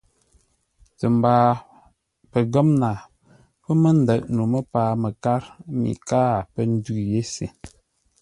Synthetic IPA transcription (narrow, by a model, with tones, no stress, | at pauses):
tə˨m˨baː˨ | pə˨ɡə˦mna˨ | pə˦mə˦n̩˦də˨ʔ̚nu˨mə˦paː˨mə˨ka˦ɾmḭ˨kaː˦˨pə˦n̩˦dʉ˦˨je˦sḭ˨